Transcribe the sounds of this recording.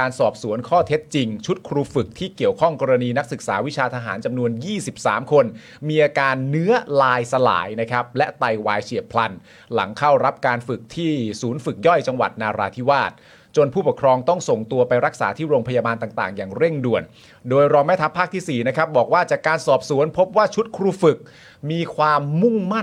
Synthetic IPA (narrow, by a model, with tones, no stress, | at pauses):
aː˧nsɔː˨˩p̚su˩˦ənkʰɔː˥˩t̪ʰe˦˥t̪̚t͡ɕi˧ŋt͡ɕʰu˦˥t̪̚kʰɾuː˧fɯ˨˩k̚t̪ʰiː˥˩ki˨˩əwkʰɔ˥˩ŋkɔː˧ɾa˧niː˧na˦˥k̚sɯ˨˩k̚saː˩˦wi˦˥t͡ɕʰaː˧t̪ʰa˧ɦa̰ː˩˦nt͡ɕa˧mnu˧ənjiː˥˩si˨˩p̚sa̰ː˩˦mkʰo˧n | miː˧ʔaː˧kaː˧nːɯ˦˥ɐlaː˧jsa˧la̰ː˩˦jna˦˥kʰa˦˥p̚lɛ˦˥t̪a˧jwaː˧jt͡ɕʰi˨˩əpʰla˧n | la̰˩˦ŋkʰa˥˩wɾa˦˥p̚kaː˧nfɯ˨˩k̚t̪ʰiː˥˩suː˩˦nfɯ˨˩k̚jɔ˥˩jt͡ɕa˧ŋwa̰˨˩t̪̚naː˧ɾaː˧t̪ʰi˦˥waː˥˩t̪̚ | t͡ɕo˧npʰuː˥˩pu˨˩kʰɾɔː˧ŋt̪ɔ˥˩ŋso˨˩ŋt̪u˧ɐpa˧jɾa˦˥k̚saː˩˦t̪ʰiː˥˩ɾoː˧ŋpʰa˧jaː˧baː˧nt̪aː˨˩ŋt̪a̰ː˨˩ŋjaː˨˩ŋɾe˥˩ŋdu˨˩ən | doː˧jɾɔː˧ŋmɛ˦˥t̪ʰa˦˥pʰːaː˥˩k̚t̪ʰiː˥˩siː˨˩na˦˥kʰa˦˥p̚bɔː˨˩k̚waː˥˩t͡ɕaː˨˩kːaː˧nsɔː˨˩p̚su˩˦ənpʰo˦˥p̚waː˥˩t͡ɕʰu˦˥t̪̚kʰɾuː˧fɯ˨˩k̚ | miː˧kʰwaː˧mːu˥˩ŋma˥˩n